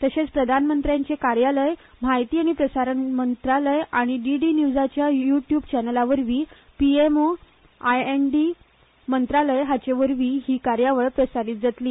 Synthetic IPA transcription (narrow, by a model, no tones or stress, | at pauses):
t̪əɕet͡spɾəd̪ʱanmənt̪ɾjãɲt͡ɕekaɾjaləjm̤ajt̪iːaɽ̃ipɾəsaɾənmənt̪ɾaləjaɽ̃iɖiɖinjud͡zat͡ɕjajuʈjuːbt͡ɕɛnəlaʋəɾʋiː | piemo | ajenɖi | mənt̪ɾaləjɦat͡ɕeʋəɾʋiːɦiːkaɾjaʋəɭpɾəsaɾiːt̪̚d͡zat̪liː